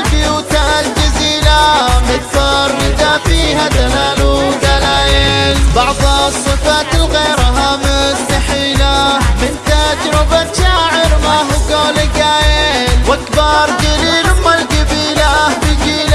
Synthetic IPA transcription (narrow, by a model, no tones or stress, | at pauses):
lbɪjuːt̪ald͡ʒɪziːlamɪt̪fɑɾˤːɪd̪afiːhad̪alaːlud̪alaːjɪlbɑʕðˤsˤːɨfaːt̪ɪlɣejɾɦamʊst̪aħiːlamɪnt̪ad͡ʒɾɪbaʃaʕɪɾmaːɦɡoːlɪɡaːjɪlwʔakbɑɾˤd͡ʒ̪aliːlʊmːalɡabiːlabɪd͡ʒiːla